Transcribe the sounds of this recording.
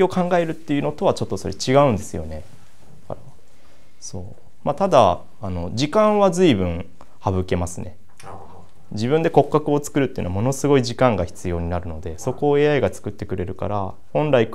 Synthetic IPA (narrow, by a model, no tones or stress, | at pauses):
o̞kãŋɡae̞ɾɯ̟t̪ːe̞jɯ̟no̞t̪o̞β̞at͡ɕo̞t̪ːo̞so̞ɾe̞t͡ɕiɡaɯ̟̃nd̪e̞sɨjo̞̰ne̞ | ka̰ɾa | so̞̰ː | mat̪ad̪aː | no̞d͡ʑikãɰ̃βazɨibɯ̟̃ɰ̃ | haβɯ̟ke̞masɨne̞ | d͡ʑibɯ̃nd̪e̞ko̞kːakɯ̟o̞t͡sɨ̥kɯ̟ɾɯt̪ːeɯ̟noamo̞no̞sɨɡo̞iʑikãŋɡaçi̥t͡sɨjo̞ːɲ̟inaɾɯ̟no̞d̪e̞so̞ko̞ːeːaiɡat͡sɨ̥kɯt̪ːe̞kɯ̟ɾe̞ɾɯ̟ka̰ɾa | hõ̞nɾaik